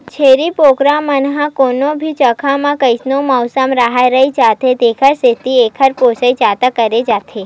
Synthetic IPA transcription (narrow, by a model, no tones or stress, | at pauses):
t͡ʃʰeɾipokɾamənɦãkonobʱit͡ʃəkʰamãkəjsnoməwsəmɾaɦajɾəid͡ʒat̪ʰed̪ekʰəɾset̪iekʰəɾposəid͡ʒat̪akəɾed͡ʒat̪ʰe